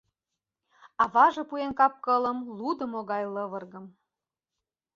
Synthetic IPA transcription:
ɑβɑʒɤ̆puenkɑp̚kɤ̆lə̆mlud̪ə̆moɣɑjlɤ̆βɤ̆rɣə̆m

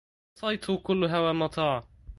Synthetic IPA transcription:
sˤɑjt̪hʊkʊlːɦawamɑt̪ˤɑːʕ

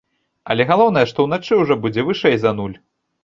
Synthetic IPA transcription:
ɐlʲɛɣalˠɔwnɐjɛʂt̪ɔwnat͡ʂɨwʐɔbud͡zʲɛvɨʂɛjzɐnulʲ

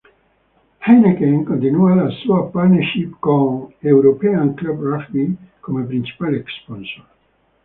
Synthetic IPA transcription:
hejnekẽŋkõnt̪inualasuapat̪nɛɾʃipkõŋewɾopɛãŋklabɾafbikomepɾint͡ʃi̥paleksponsoɾ

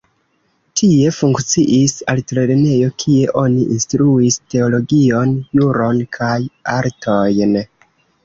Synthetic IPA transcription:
tʰie̞fuŋkt͡siʔisa̰ltɾe̞ɾene̞jo̞kʰie̞ʔo̞niʔinstɾuiste̞o̞lo̞ɡio̞njuɾo̞nkʰajaɾtʰojn

